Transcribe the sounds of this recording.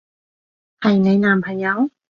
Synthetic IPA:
ha˨˧˩jna˧˦jna˨mpʰa˨˧˨ja˧˦w

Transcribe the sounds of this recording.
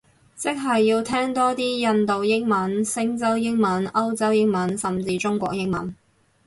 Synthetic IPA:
t͡sɪ˥k̚ɦɐ˨jːiː˧wt̪ʰɛː˥ŋt̪ɔː˥t̪iː˥jɐ˧nt̪o˨wjɪ˥ŋmɐ˨˥nsɪ˥ŋt͡sɐ˥wjɪ˥ŋmɐ˨˥nɐ˥wt͡sɐ˥wjɪ˥ŋmɐ˨˥nsɐ˨mt͡siː˧t͡sʊ˥ŋkʷɔ̰ː˧k̚jɪ˥ŋ̚mɐ̰˨˥n

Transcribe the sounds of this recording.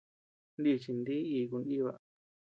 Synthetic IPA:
nd̪i˧t͡ʃi˧nd̪i˦i˧k̬u˧ndi˦βa̰˧

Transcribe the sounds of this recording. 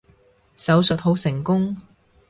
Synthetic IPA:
sɐ˨˥wsɵ˨t̚ho˨˥wsɪ˨˩ŋkʊ˥ŋ

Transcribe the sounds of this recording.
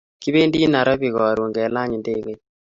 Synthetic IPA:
ki˦be˦ndi˦na˨ɾɔ˦bi˨ɣɔ˨ɾu˨ŋɡɛ˨˦la˦ɲi˨nde˦ɣe˦

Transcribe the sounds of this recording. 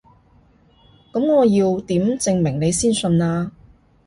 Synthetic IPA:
kɐ˨˥mŋɔː˨˧jiː˧wt̪iː˨˥mt͡sɪ˨˧ŋmɪ˨˩ŋne˨˧jsiː˥nsɵ˧naː˧

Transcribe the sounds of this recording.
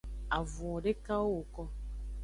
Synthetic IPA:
a˨vũ˨ɔ˨ɖe˦ka˦o˦o˨kɔ˦

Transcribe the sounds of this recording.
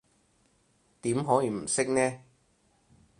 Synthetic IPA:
t̪iː˨˥mɦɔː˨˥jiː˨˧m̩˨˩sɪ˥k̚nɛː˥

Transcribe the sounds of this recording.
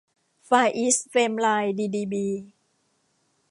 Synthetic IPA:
faː˧jʔi˦˥sfeː˧mlaː˧jdiː˧diː˧biː˧

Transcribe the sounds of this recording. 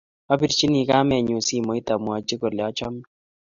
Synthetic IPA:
a˦bi˨ɾt͡ʃi˦ni˨ka˦mɛ˨ɲu˨si˦˨mo˨˦i˦ta˨mu˨a˨d͡ʒe˦ko˨lɔ˦t͡ʃɔ˦m˦

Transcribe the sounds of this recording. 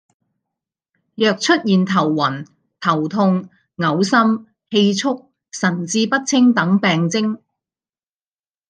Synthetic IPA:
jœː˨k̚t͡ʃʰɵ˥t̚jiː˨nt̪ʰɐ˨˩wːɐ˨˩n | t̪ʰɐ˨˩wt̪ʰʊ˧ŋ | ŋɐ˨˧˥wsɐ˥m | he˧jt͡sʰʊ˥k̚ | sɐ˨˩nt͡siː˧pɐ˥t̚t͡sʰɪ˥ŋt̪ɐ˨˥ŋpɛː˨ŋt͡sɪ˥ŋ

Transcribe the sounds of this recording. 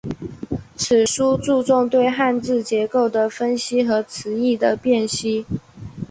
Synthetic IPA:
t͡s̩ʰ˨˩ʂu˥t͡su˥˧t͡sʊ˥˧ŋt̪we˥˧ɪxa˥˧nt͡sɹ̩˥˩t͡ɕjɛ˧˥ko˥˩ʊd̪ə˩fə˥nɕi˥xɤ˧˥t͡sʰɹ̩˧˥i˥˩d̪ə˩pjɛ˥˩nɕi˥

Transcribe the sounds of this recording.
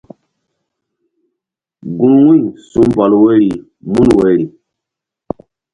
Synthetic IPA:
ɡũ˦nwi˦nsũ˦mba˨lwe˦ɾi˨ | mu˦n˨we˨˦ɾi˨

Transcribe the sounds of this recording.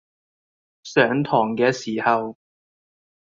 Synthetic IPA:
sœː˨˥ŋt̪ʰɔː˨˩ŋkɛː˧siː˨˩hɐ˨w

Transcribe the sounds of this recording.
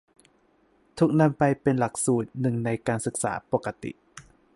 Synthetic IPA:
t̪ʰu˦˥k̚na˧˥˩mpa˧jpe˧nla˨˩k̚suː˨˩t̪̚nɯ˨˩ŋna˧jkaː˧nsɯ˨˩k̚sa̰ː˩˦po˨˩kːa˧t̪ḭ˨˩ʔ

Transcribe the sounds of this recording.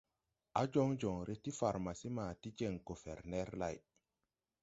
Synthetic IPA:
a˦d͡ʒo˦ŋd͡ʒɔ˨ŋɾʔe˦ti˦fa˨ɾma˨si˦ma˨ti˦d͡ʒe˨ŋɡo˨fɛ̰˨ɾnɛ˦ɾla̰˨j

